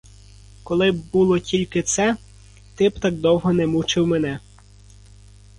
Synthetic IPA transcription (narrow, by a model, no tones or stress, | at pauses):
kɔlˠɪbbulˠɔtʲilʲkɪt̪sɛ | t̪ɪbt̪ɑk̚d̪ɔwɦɔnɛmut͡ʃɪwmenɛ